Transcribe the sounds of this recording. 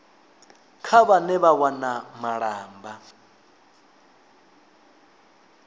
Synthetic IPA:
kʰaβanɛβawanamaɺaːmba

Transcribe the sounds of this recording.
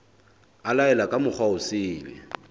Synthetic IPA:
alaɛlakʼamʊk͡xʰwaʊsɪːbɛ̰

